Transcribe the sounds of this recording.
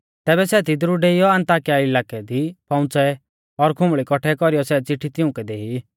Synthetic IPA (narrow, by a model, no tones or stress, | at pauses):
t̪ɛːbɛsɛːt̪id̪ɾuɖeːijɔɐ̃nt̪aːkɪjaɪlaːkɛd̪ipɐ̃ʊ̃t͡sɛ | ɔɾkʰʊ̃mɭikɔʈʰɛkɔɾijɔsɛːt͡sɪʈʰːit̪ɪʊ̃kɛd̪eːɦi